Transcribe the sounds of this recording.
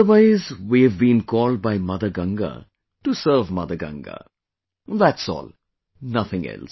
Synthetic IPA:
əwaɪzwiɨvbĩnkʰɔːld̚baɪmʌðəɡʌ̃ŋɡə̰ | ʈusəɾvmʌðəɡʌ̰̃ŋɡə̰ | ðætsɔ̰ːlˠ | nʌθɪ̃ŋɛ̰ls

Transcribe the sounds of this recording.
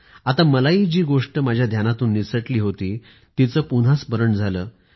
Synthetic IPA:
at̪aməlaid͡ʑiːɡoʂʈəmad͡ʑʱjad̪ʱjanat̪uːnːisəʈliːɦot̪iː | t̪it͡səːpun̤asbəɾəɳd͡zʱaləː

